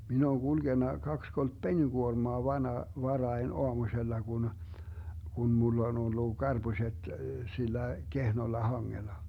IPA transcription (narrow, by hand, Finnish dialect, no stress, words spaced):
min oːŋ ɡ̊ulɡ̊enːɑ kɑks kolt peniɡ̊uormoɑ ʋɑnɑ ʋɑrɑin oɑmusʲelːɑ ɡ̊un ɡ̊un mulː on olːu ɡ̊ɑrb̥usʲet silːæ kehnolːɑ hɑŋːelɑ